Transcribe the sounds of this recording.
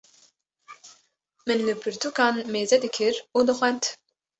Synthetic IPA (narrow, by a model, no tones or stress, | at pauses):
mɨnlɨpʰɨɾt̪ʰukɑːnmeːzɛd̪ɨkʰɨɾuːd̪ɨxʷɛnt̪